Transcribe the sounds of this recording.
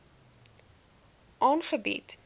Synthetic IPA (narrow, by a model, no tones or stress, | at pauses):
ʔɑːnχəbḭt